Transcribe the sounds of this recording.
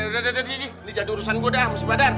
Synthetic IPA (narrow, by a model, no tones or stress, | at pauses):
dadadaid͡ʒinid͡ʒadiuɾusanɡodamasibadar